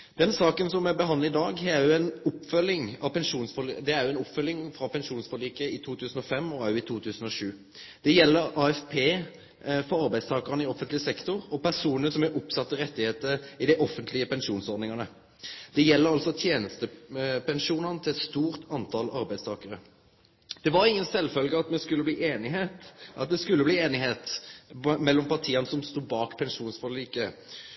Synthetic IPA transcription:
d̪̥ɛnsɑːkənsɔmɛbəɦɑnləɪd̪ɑːɡhææɾjʊɛnʊpːfœlːɪŋɑʋpɛnʂuːnsfɔlḭd̪ɛæɾjʊɛnʊpːfœlːɪŋfɾɑpɛnʂuːnsfɔliːkəɪt̪ʰuːt̪ʉːsn̩ɔfɛmːɔæjʊɪt̪ʰuːt̪ʰʉːsn̩ɔʂʉː | d̪̥ɛjɛlːəɾɑːɛfpʰeː | fɔɾɑɾbæɪd̪st̪ʰɑːkəʁnəɪɔfːənt̪lɪsɛkt̪ʊɾɔpæʁsuːnənsɔmæʔʊpsɑt̪ːəɾɛt̪ːɪheːt̪əɪd̪ɛʔɔfənt̪lɪəpɛnʃuːnsɔɾd̪nɪŋɑnə | d̪̥ɛjɛlːəɾɑlsɔt̪ʰjeːnəst̪əpɛnʂuːnənət̪ʰɪlɛt̪st̪uːɾt̪ɑnt̪ʰɑlɑɾbæɪd̪st̪ɑːkəɾə | d̪̥ɛʋɑɾɪŋːənsɛlːfœlɡəɑt̪mɛskʉlːəbliːʔeːnɪheːt̪ʔɑt̪̚d̪ɛskʉlːəbliːeːnɪɦeːt̪ | mɛlːɔmpɑʁt̪ʰiːɑnəsɔmst̪uːbɑːkpʰɛnʂuːnsfɔliːkə

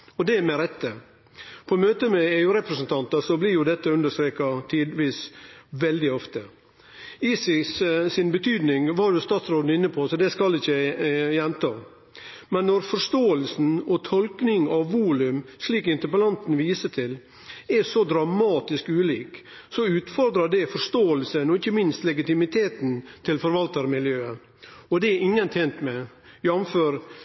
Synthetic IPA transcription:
ɔd̪ɛmɛɾɛt̪ːə | pʰɔmøːt̪əmɛeːʉːɾɛpɾəsn̩t̪ʰɑnt̪ɑsɔblɪɾjʊd̪ɛt̪ːəʉnd̪əʂst̪ɾeːkɑt̪ʰiːd̪ʋiːsʋɛld̪ɪɔft̪ə | iːsɪssɪnbət̪ʰyːd̪nɪŋʋɑɾjʊst̪ɑːt̪sɾoːd̪n̩ɪnːəpʰoːsɔd̪ɛskɑlɪçəjɛnt̪ʰɑː | mɛnːɔɾfɔɾʂt̪oːəlsn̩ɔt̪ʰɔlknɪŋɑʋːuːlʉmsliːkɪnt̪əɾpəlɑnt̪n̩ʋiːsət̪ʰɪl | ɛsɔd̪ɾɑmɑːt̪ɪskʉːliːk | sɔʉːt̪fɔɾd̪ɾəɖɛfɔɾʂt̪oːəlsənɔɪçːəmɪnst̪lɛɡɪt̪ɪmɪt̪ʰeːt̪n̩t̪ʰɪlfɔɾʋɑlt̪əɾmɪljøːə | ɔd̪ɛɪŋːənt̪ʰɛːnt̪mɛ | jɑmføːɾ

